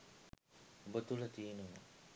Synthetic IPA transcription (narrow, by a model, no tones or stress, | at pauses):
obət̪ulət̪iːnumə̰